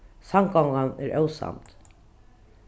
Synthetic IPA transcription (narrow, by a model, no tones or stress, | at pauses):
samkɔŋkanɛɹʔœwsa̰mt̪